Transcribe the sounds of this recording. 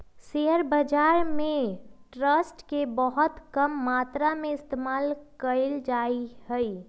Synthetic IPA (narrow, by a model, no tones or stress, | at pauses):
seɦəɾbəd͡ʒaːɾmẽʈɾəsʈkebəɦʊt̪kəmːaːt̪ɾamẽɪst̪eːmaːlkəld͡ʒaihəi